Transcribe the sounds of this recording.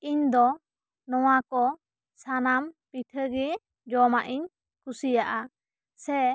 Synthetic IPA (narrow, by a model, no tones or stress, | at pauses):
iɲd̪ɔ | nɔwakɔ | sanampiʈʰəɡi | d͡ʒɔmaʔiɲ | kusijaʔa | sɛ